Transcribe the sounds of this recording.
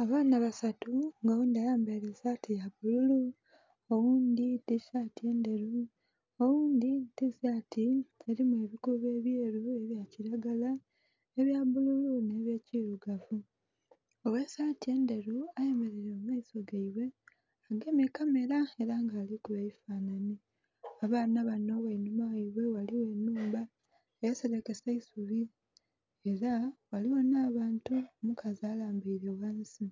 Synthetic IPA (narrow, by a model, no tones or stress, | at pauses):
aβaːnaβasatuŋɡowuːnd̪iajaːmbeɾesaːtijaβululu | owuːnd̪itisaːtie̞ːnde̞ɾu | owuːnd̪itisaːtʰieɾimue̞ːβikuβe̞ːβje̞ːɾue̞βjaciɾaɡala | eβjaβululune̞ːβjeːciɾuɡavu | owe̞saːtie̞nde̞ɾuaje̞me̞ɾe̞ɾeomaiso̞ɡaiβwe̞ | aɡe̞mikame̞ɾaeɾaŋɡaːlikuβeifaːnani | aβaːnaβano̞wenumawaiβe̞waliwe̞nːuːmba | ejeseɾe̞ke̞saisuβi | e̞ɾawaliwonaːβaːntuomukazaːlaːmbiɾewansi